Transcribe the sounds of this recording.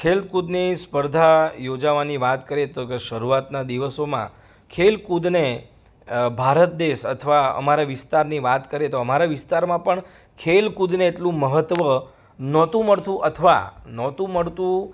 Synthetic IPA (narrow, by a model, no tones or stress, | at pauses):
kʰelkud̪nispəɾd̪ʱajod͡ʒaʋaniʋat̪kəɾet̪okeʃəɾuat̪nad̪iʋəsomã̰ | kʰelkud̪ne | bʱaɾət̪̚d̪eʃə̰t̪ʰəʋaə̰maɾaʋɪst̪aɾniʋat̪kəɾet̪oəmaɾaʋɪst̪aɾmãpəɳ | kʰelkud̪neːʈlũməɦət̪ʋə | nɔt̪ũməɭt̪ũʔət̪ʰəʋa̰nɔt̪ũməɭt̪ũ